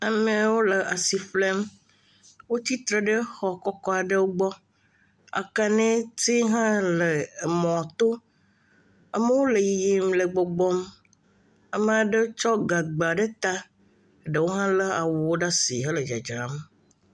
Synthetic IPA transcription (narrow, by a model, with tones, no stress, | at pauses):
a˨me˦wo˦le˨ʔa˨si˨fle˦m | wo˦t͡ɕi˦t̪ɾe˨ɖə˦xɔ˨kɔ˦kɔ˦a˨ɖe˦wo˦ɡ͡bɔ˦ | a̰˨ka˨nẽ˦ti˦ɦã˦le˨mɔ̃˨t̪o˦ | a˦me˦wo˦le˨ji˨ji˦mlə˨ɡ͡bɔ˨ɡ͡bɔ˦m | a˦me˦a˨ɖe˦t͡ʃɔ˦ɡa˨ɡ͡ba˨ɖe˦t̪a˦˨ | ɖe˨wo˦ɦã˦lə˦a˨wu˨wo˦ɖa˦si˨ɦə˦lə˨d͡ʒa̰˨d͡ʒɾa˨m